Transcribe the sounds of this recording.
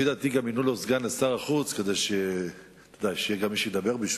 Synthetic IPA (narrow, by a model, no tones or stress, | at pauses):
ed̪at̪iɡaminulozɡanasaʁaχut͡ske̞d̪ejʃe | t̪od̪ajʃejeɡamːiʃejed̪abe̞ʁbiʃ